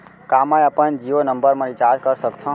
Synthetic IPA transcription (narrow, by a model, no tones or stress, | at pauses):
kamajəpənd͡ʒionəmbəɾmãɾit͡ʃad͡ʒkəɾsəkt̪ʰõ